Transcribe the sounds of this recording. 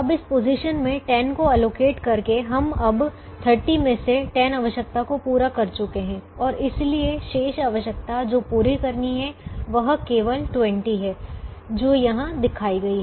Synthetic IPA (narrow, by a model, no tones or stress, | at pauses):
ɐbɪspoːziʃənmẽʈɛːnkoɛloːkeːʈkɐɾkeɦɐmɐb | t̪ʰəɾʈimẽseʈɛːnɐʋəʃək̚t̪akopuːɾakɐɾt͡ʃʊkeɦɛ̃ːɔːɾɪslieʃeːʃaʋəʃək̚t̪ad͡ʒoːpuːɾikɐɾniɦɛʋɐɦkeːʋəlʈwɛ̃ɳʈiɦɛːd͡ʒoːjɐɦãd̪ɪkʰaːiɡɐiɦɛː